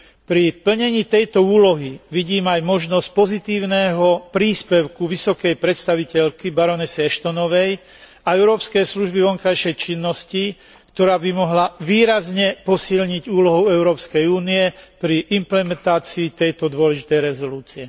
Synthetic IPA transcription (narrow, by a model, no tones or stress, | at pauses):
pɾipl̩ɲɛɲiːt̪ɛjt̪ɔuːlɔɦiʋiɟiːmajmɔʒnɔsc̚pɔzit̪iːʊnɛːɦɔpɾiːspɛʊkuʋisɔkɛjpɾɛt̪st̪aʋicɛʎkibaɾɔnɛsɛɛʃt̪ɔnɔʋɛj | aɛʊɾɔːpskɛjsluʒbiʋɔŋkajʃɛjt͡ʃinːɔsci | kt̪ɔɾaːbimɔɦlaʋiːɾazɲɛpɔsiʎɲiɟuːlɔɦɔʊɛʊɾɔːpskɛjuːniɛpɾiʔimplɛmɛnt̪aːt͡siːt̪ɛjt̪ɔd̪ʊɔlɛʒit̪ɛjɾɛzɔluːt͡siɛ